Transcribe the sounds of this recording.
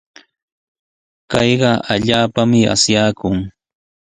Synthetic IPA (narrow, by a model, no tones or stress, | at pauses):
kɑjɢɑaʎaːpamɪa̰sjaːkʊŋ